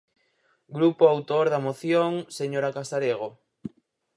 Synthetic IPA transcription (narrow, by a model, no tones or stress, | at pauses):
ɡɾupoawt̪oɾðamoθjoŋseɲoɾakasaɾeɣ̞o